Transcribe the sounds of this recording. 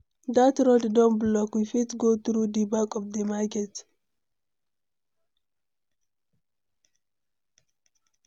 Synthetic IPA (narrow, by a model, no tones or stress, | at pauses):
datɾoddɔ̃nblɔkwifitɡot̪ɾudibakɔfd̪emaket